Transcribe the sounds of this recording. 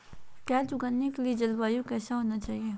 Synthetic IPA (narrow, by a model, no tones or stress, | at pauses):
kɛːt͡ʃʊɡanːekelied͡ʒɐlbaːjõkɛːsaɦoːnat͡ʃaːɦieː